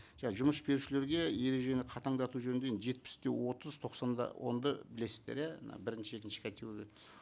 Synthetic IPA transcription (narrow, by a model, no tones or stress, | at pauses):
ʒɑʒʊməsbe̞ɾuʃɪleɾɡʲe̞je̞ɾe̞ʒe̞nɪqʰɑt̪ɑɴd̪ɑt̪uʒɵnɪnd̪enʒe̞t̪̚pɪ̥st̪e̞wo̞t̪əzt̪ʰo̞qsɑnd̪ɑ̰wʔo̞̰nd̪ɑbɪle̞sɪzd̪eɾjænɑ̰bɪɾɪnʃɪekʲɪnʃɪ̥kʲʰæt̪ʰewekʲet̪